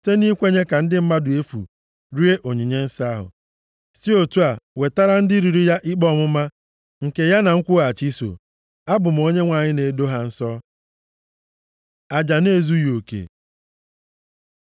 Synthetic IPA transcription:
te˦ni˦kʷe˦ɲe˦ka˨n̩˦dɪ˦m̩˦ma˦dʊ˨e˦fṵ˨ | ɾi˦e˦ʔo˨ɲi˨ɲe˦n̩˦sa˦ɦʊ̰˨ | si˦o˨tu˦a˨we˨ta˦ɾa˦n̩˦dɪ˦ɾi˨ɾi˦ja˦ʔi˦k͡pɔ˦˨mʊ˦ma˦ | ŋ̩˨ke˨ja˦na˨ŋ̩˦kʷʊ˦a˨t͡ʃi˦so̰˨ | a˦bʊ˨m̩˨o˦ɲe˦ŋʷa˨ɲɪ˦ne˨do˦ɦa˨n̩˦sɔ˦ | a˨d͡ʒa˨ne˦˨zu˦jo˨kḛ˨

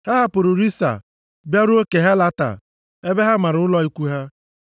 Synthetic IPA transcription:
ha˦ɦa˦pʊ˨ɾu˨ɾi˦sa̰˨ | bja˦ɾu˦o˦ke˨ɦa˦la˦ta̰˨ | e˦be˦ɦa˦ma˨ɾʊ˨ʊ˦lɔ˦i˦kʷu˦ɦa˦

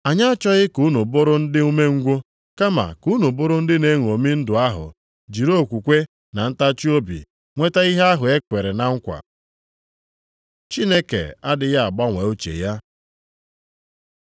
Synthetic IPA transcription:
a˨ɲa˦a˦t͡ʃɔ˦ɣɪ˦ku˦nu˨bʊ˦ɾʊ˦n̩˦dɪ˦u˦me˦ŋ̩˦ɡʷʊ˦ | ka˦ma̰˨ku˦nu˨bʊ˦ɾʊ˦n̩˦dɪ˦ne˦ŋʷ˨o˨mi˦n̩˦dʊ˨a˦ɦʊ̰˨ | d͡ʒi˨ɾo˦˨kʷu˨kʷe˦ | na˨n̩˦ta˦t͡ʃi˦o˦bḭ˨ | ŋʷe˦ta˦i˦ɦe˦a˦ɦʊ˨e˦kʷe˨ɾe˨na˨ŋ̩˦kʷa̰˨ | t͡ʃi˦ne˦kḛ˨a˦dɪ˨ja˦a˨ɡ͡ba˦ŋʷe˨o˦t͡ʃḛ˨ja˦

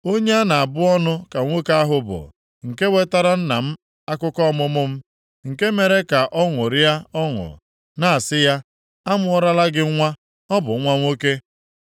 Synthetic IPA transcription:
o˦ɲe˦a˦na˨a˨bʊ˦ɔ˦nʊ˦ka˨ŋʷo˦ka˦ɦʊ˨bʊ̰˨ | ŋ̩˨ke˦we˦ta˦ɾa˦n̩˦na˨m̩˦ | a˦kʊ˦kɔ˦mʊ˦mʊ˦m̩˦ | ŋ̩˨ke˦me˨ɾe˦ka˨ʔɔ˦ŋʊ˨ɾɪ˦a˦ɔ˦ŋʊ̰˨ | na˨a˨sɪ˦ja˦ | a˦mʊ˦ɔ˦ɾa˦la˦ɡɪ˦ŋʷa˦ | ɔ˦bʊ˨˦ŋʷa˦ŋʷo˦ke˦

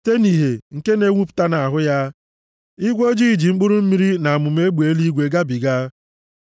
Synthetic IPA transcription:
te˦ni˨ɦe˨ŋ̩˨ke˦ne˦ŋʷu˦pʊ̥˨ta˦na˨a˨ɦʊ˦ja˦ | i˦ɡʷo˦d͡ʒi˦˨d͡ʒi˨ŋ͡m̩˦k͡pʊ˦ɾʊ˦m̩˦mi˦ɾi˦na˨a˨mʊ˨m̩˦e˦ɡ͡bu˨e˨˦li˦ɡʷe˨ɡa˦bi˨ɡa˦

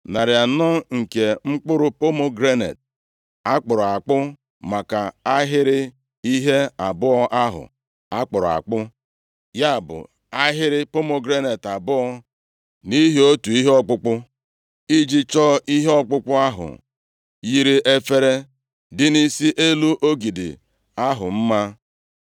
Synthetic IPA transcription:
na˨ɾɪ˨a˨nɔ˦ŋ̩˨ke˨ŋ͡m̩˦k͡pʊ˦ɾʊ˦po˦mo˦ɡɾe˦nḛ˨t̚ | a˦k͡pʊ˨ɾʊ˨a˨k͡pʊ˦ | ma˨ka˨a˦ɦɪ˦ɾɪ˦ | i˦ɦe˦a˨bʊ˦ɔ˦ʔa˦ɦʊ̰˨ | a˦k͡pʊ˨ɾʊ˨a̰˨k͡pʊ˦ | ja˦˨bʊ̰˨ | a˦ɦɪ˦ɾɪ˦pʊ˦mo˦ɡɾe˦ne˨ta˨bʊ˦ɔ˦ | ni˦ɦi˦o˦tu˨i˦ɦe˦ɔ˦k͡pʊ˦k͡pʊ˦ | i˦d͡ʒi˦t͡ʃɔ˦ʔi˦ɦe˦ɔ˦k͡pʊ˦k͡pʊ˦a˦ɦʊ̰˨ | ji˦ɾi˦ʔe˦fe˦ɾe˦ | dɪ˦ni˦si˦ʔe˦lu˦ʔo˦ɡi˨dḭ˨ | a˦ɦʊ˨m̩˦ma˦

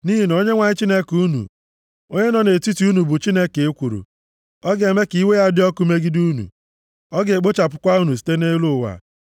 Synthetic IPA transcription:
ni˦ɦi˨n˨o˦ɲe˦ŋʷa˨ɲɪ˦t͡ʃi˦ne˦ku˦nṵ˨ | o˦ɲe˦nɔ˨ne˨ti˦ti˨u˦nu˨bʊ˨t͡ʃi˦ne˦ke˨e˦kʷu˨ɾṵ˨ | ɔ˦ɡe˨me˦ki˦we˦ja˦dɪ˦ɔ˦ku˦me˦ɡi˦du˦nṵ˨ | ɔ˦ɡe˨k͡po˦t͡ʃa˨pʊ˦kʷa˦u˦nu˨si̥˨te˦ne˦lu˦˨wa̰˨

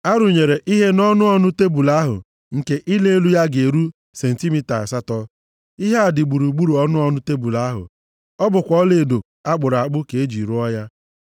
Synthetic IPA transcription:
a˦ɾʊ˨ɲe˨ɾe˨ʔi˦ɦe˦nɔ˦nʊ˦ɔ˦nʊ˦te˦bu˨la˦ɦʊ̰˨ | ŋ̩˨ke˦ʔi˦le˦e˦lu˦ja˦ɡe˨ɾu˦ | se˨n̩˨ti˦mi˦ta˨sa˦tɔ˦ | i˦ɦe˦a˨dɪ˨ɡ͡bu˨ɾu˨ɡ͡bu˦ɾu˨ɔ˦nʊ˦ɔ˦nʊ˦te˦bu˨la˨˦ɦʊ̰˨ | ɔ˦bʊ˨kʷɔ˦le˨do˨k | a˦ɡ͡bʊ˨ɾa˨k͡pʊ˦ke˨e˦d͡ʒi˨ɾu˦ɔ˦ja˦

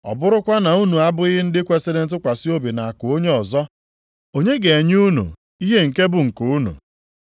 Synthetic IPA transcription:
ɔ̰˨bʊ˦ɾʊ˦kʷa˦na˨u˦nu˨a˦bʊ˦ɪ˦ɣɦɪ˦n̩˦dɪ˦kʷe˦se˦de˦n̩˦t̬ʊ˦kʷa˨sɪ˦o˦bi˨na˨a˨kʊ˨o˦ɲe˦ɔ˨zɔ˦ | o˦ɲe˦ɡe˨e˨ɲ˦u˦nṵ˨ | i˦ɦe˦ŋ̩˨ke˦bʊ˨ŋ̩˨ku˨˦nṵ˨

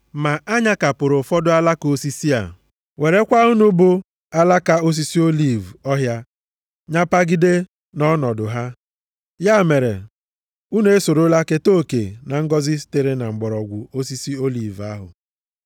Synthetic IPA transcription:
ma˨ʔa˦ɲa˦ka˨pʊ˨ɾʊ˨fɔ˦dʊ˦a˦la˦ko˨si˦si˦a̰˨ | we˨ɾe˦kʷa˦ʊ˦nʊ˦bʊ˦ | a˦la˦ka˦o˦s̬i˦si˦o˦li˦˨vɔ˦ɦja˦ | ɲa˦pa˦ɡɪ˦de˦ | nɔ˦nɔ˨dʊ˨ɦa˦ | ja˦˨me˨ɾḛ˨ | u˦n˦e˦so˨ɾo˦la˦ke˦to˦˨kḛ˨na˨ŋ̩˦ɡɔ˦zɪ˦ste˨ɾe˦na˨ŋ͡m̩˨ɡ͡bɔ˨ɾɔ˨ɡʷʊ˨o˦si˦si˦o˦li˨va˦ɦʊ̰˨

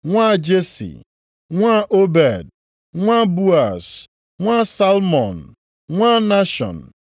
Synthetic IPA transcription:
ŋʷa˦˨d͡ʒe˦sḭ˨ | ŋʷa˦ʔo˦bɛ˨d̚ | ŋʷa˦bu˦a˨s | ŋʷa˦˨sa˦lmɔ˨n̩˨ | ŋʷa˦na˦ʃɔ̰˨n̩˨

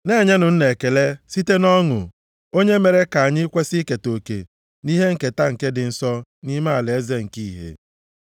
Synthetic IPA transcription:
ne˦˨ɲa˦nʊ˨n̩˦ne˨ke˨le˦si˦te˦nɔ˦ŋʊ̰˨ | o˦ɲe˦me˨ɾe˦ka˨a˨ɲɪ˦kʷe˦si˦ke˨to˨kḛ˨ | ni˦ɦe˦ŋ̩˨ke˨ta˦ŋ̩˨ke˦dɪ˨n̩˦sɔ˦ni˦ma˦a˨lɪ˨e˦ze˦ŋ̩˨ki˦˨ɦḛ˨

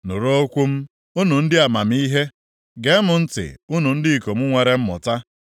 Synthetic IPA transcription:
nʊ˨ɾo˦kʷu˦m̩˦ | u˦nu˨n̩˦dɪ˦a˨ma˨m̩˦i˦ɦe˦ | ɡe˨˦mʊ˨n̩˦tɪ̰˨u˦nu˨n̩˦dɪ˦i˨ko˨m̩˦ŋʷe˨ɾe˦m̩˦mʊ̰˨ta˦

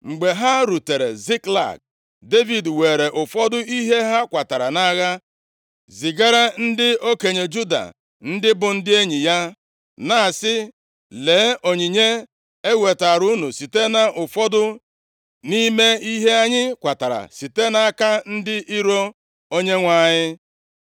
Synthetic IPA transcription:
ŋ͡m̩˨ɡ͡be˨ɦa˦ɾu˨te˨ɾḛ˨zi˦kla̰˨k̚ | de˦vi˨dwe˨ɾe˨ʔʊ˨fɔ˦dʊ˦i˦ɦe˦ɦa˦kʷa˨ta˨ɾa˨na˦ɣa˦ | zi˨ɡa˦ɾa˦n̩˦dɪ˦o˦ke˨ɲe˨d͡ʒu˦da̰˨ | n̩˦dɪ˦bʊ˨n̩˦dɪ˦e˦ɲi˨ja˦ | na˦˨sɪ˦ | le˨˦o˨ɲi˨ɲe˦ | e˦wʷe˨ta˨ɾu˦nu˨si˨te˦na˨ʔʊ˨fɔ˦dʊ˦ | ni˦me˦i˦ɦe˦a˦ɲɪ˦kʷa˨ta˨ɾa̰˨si˨te˦na˦a˦ka˦n̩˦dɪ˦ʔi˦ɾo˦ | o˦ɲe˦ŋʷa˦˨ɲɪ˦

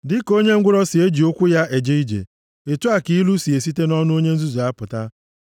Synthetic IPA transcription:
dɪ˦ko˦ɲe˦ŋ̩˦ɡʷʊ˦ɾɔ˦sɪ˨e˦d͡ʒi˨o˦kʷu˦ja˦e˨d͡ʒe˦i˦d͡ʒḛ˨ | e˨tu˦a˨ki˦lu˦si˨e˨si˦te˦nɔ˦nʊ˦o˦ɲe˦n̩˦zu˦zu˨a˦pʊ˨ta˦

